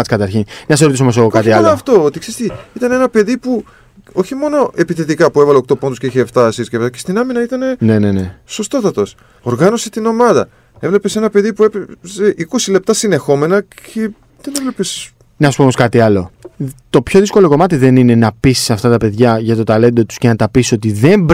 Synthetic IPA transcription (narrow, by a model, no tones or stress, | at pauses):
skɐt̪ɐɾçinnɐseɾot̪isoomos̬eɣokɐt̪iɐlft̪oot̪iksest̪iit̪ɐne̞nɐpe̞ðipu | o̞çimo̞no̞ʔe̞piθet̪ikɐpuevɐlekt̪o̞pnd̪usceiçeft̪ɐsisceft̪ɐcest̪inɐminɐit̪ɐne̞ne̞ne̞ne̞so̞st̪o̞t̪ɐt̪os | oɾɣɐno̞set̪ino̞mɐðɐ̰ | e̞vle̞pe̞se̞nɐpe̞ðipuepeseʔiko̞sile̞p̚t̪ɐsine̞xo̞me̞nɐce̞ | ðene̞vle̞pe̞s | nɐsu̥pomoskɐt̪iɐlo̞t̪o̞pço̞ðisko̞lo̞ko̞mɐt̪iðe̞nine̞nɐpisi̥sɐft̪ɐt̪ɐpe̞ðʝɐʝɐt̪o̞t̪ɐle̞nd̪o̞t̪u̥sce̞nɐt̪ɐpisisot̪iðe̞mb